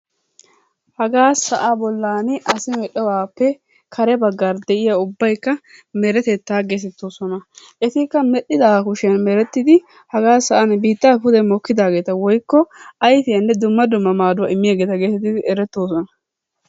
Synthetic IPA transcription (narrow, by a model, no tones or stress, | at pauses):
hɐɡaːsɐʔabɔlːaːnɪʔɐsɪmɛɗɛwaːpːɛ | kʰɐɾɛbɐɡːaɾd̪ɛʔɪjaʊbːɐjkːɐmɛɾɛt̪ɛt̪ːaːɡes̬ɛt̪ːoːsɔnɐ | ʔɛt̪ɪkːɐmɛɗɪd̪akʊʃɛnmɛɾɛt̪ːɪd̪ɪ | hɐɡaːsɐʔɐnbiːt̪ːɐfʊd̪ɛmɔkːɪd̪aːɡe̞ːt̪ɐwɔjkːɔɐjfɪjɐnːɛd̪ʊmːɐd̪ʊmːɐmaːd̪ʊwɐ̰ɪmːɪjaːɡeːt̪ɐɡeːsɛt̪ːɪɪɛɾɛt̪ːoːsɔnɐ